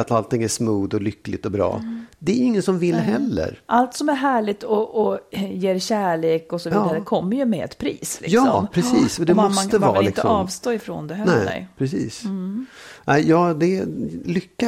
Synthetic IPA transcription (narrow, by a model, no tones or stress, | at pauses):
at̪alt̪ʰɪŋːæʂmuːd̪ɔlʏkːlɪt̪ɔbɾɑ̰ːd̪ɛæɾɪŋːənsɔmvɪlːɦɛlːə̰ɾʔalt̪sɔmæɾɦæːɭɪt̪ɔʔɔjeːɾɕæːɭeːkɔsɔvːd̪aɾəkʰɔmːəɾjɵmɛɛ̰t̪pʰɾḭːslɪ̰jɑsɔmpʰɾɛsḭːsɔd̪ɛmmɔsmaəvɑːlɪɪk̪əɔɑːvst̪oːɪfɾo̰ːnd̪ɛɦɛnɛ̰pʰɾɛsiːs | nʔæɪjɑːd̪ɛlʏkːa